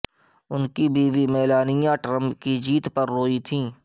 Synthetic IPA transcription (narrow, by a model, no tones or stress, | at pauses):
ʊnkibiːʋimɛːlaːnɪjãʈɾə̃mpkid͡ʒiːt̪pɐɾːoːit̪ʰĩː